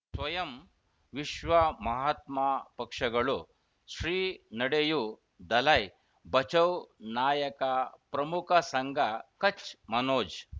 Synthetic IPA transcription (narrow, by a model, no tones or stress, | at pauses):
sʋɐjɐm | ʋiʃʋɐmɐɦaːt̪mapɐkʂɐɡɐɭu | sɾiːnɐɽeju | d̪ɐlɐj | bɐt͡ʃɐwnaːjɐkapɾɐmukʰɐsɐŋɡʱakɐt͡ʃmɐnoːd͡ʒ